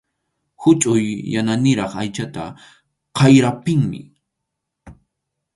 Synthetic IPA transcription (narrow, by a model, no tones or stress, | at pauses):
hʊt͡ʃʼʊjːananɪɾɑχajt͡ʃat̪a̰ | qɑjɾapɪŋmɪ̰